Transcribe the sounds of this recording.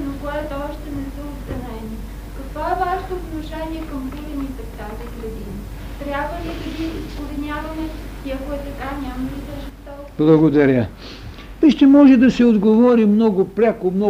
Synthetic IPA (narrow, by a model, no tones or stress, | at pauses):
nokoɛt̪oɔʃt̪ɛnɛsəosd̪ɐnɛni | kɐkvɔɛvaʃt̪oːt̪noʃɛnʲiɛkɐmbulʲɛnit̪ɛft̪aziɡɾɐd̪inə | t̪ɾʲjabvəlid̪ɐɡʲiispovinʲavɐmɛiɐkoɛt̪ɐkanʲamɐlisɛʒɛst̪ɔ | blˠɐɡod̪ɐɾʲə | viʃt̪ɛmɔʒɛd̪ɐsɛod̪ɡovɔɾimnɔɡopɾʲakomnɔ